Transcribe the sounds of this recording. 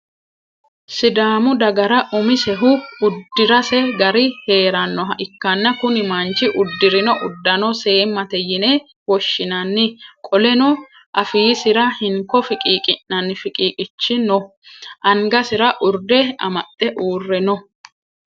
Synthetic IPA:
sɪd̪aːmʊd̪ɐɡɐɾɐʔʊmɪsɛɦʊʊd̪ːɪɾɐsɛɡɐɾɪhe̞ːɾɐnːɔɦɐʔɪkːɐnːɐkʊnɪmɐnt͡ʃɪʔʊd̪ːɪɾɪnɔʔʊd̪ːɐnɔse̞ːmːɐt̪ɛjɪne | wɔʃːɪnɐnːɪkʼɔlɛnɔ | ʔɐfiːsɪɾɐhɪŋkːɔfɪkʼiːkʼɪnnɐnːɪfɪkʼiːkʼɪt͡ʃːɪnɔ | ʔɐŋɡɐsɪɾɐʔʊɾd̪ɛɐ̰mɐt̪ʼːɛʔuːrːɛnɔ

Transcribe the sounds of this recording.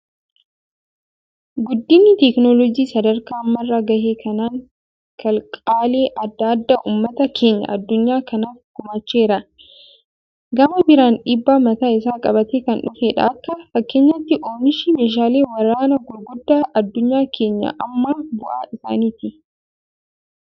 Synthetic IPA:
ɡʊd̪ːɪnːɪt̪ɛknoːlɔɡiːsɐd̪ɐɾkaːmːɐrːaɡɐheːkʰɐnaːŋ | kʰɐlkʼaːleːʔɐd̪ːɐd̪ːaʔuːmːɐt̪ɐkʰe̞ːɲːɐ̰ʔɐd̪ːʊɲːaːkɐnaːfɡʊmɐt͡ʃːeːɾɐ | ɡɐmɐbɪɾaːnᶑiːbːaːmɐt̪aːɪsaːkʼɐbɐt̪ekɐnᶑʊfeːᶑɐ̰ːkːɐfɐkːe̞ːɲːɐt̪ːɪʔoːnɪʃiːmeːʃ̬aːle̞ːwɐɾaːnɐɡʊlɡʊd̪ːaːʔɐd̪ːʊɲːaːkʰe̞ːɲːɐ̰ʔɐmːaːbʊʔa̰ːʔɪsa̰ːniːt̪ɪ

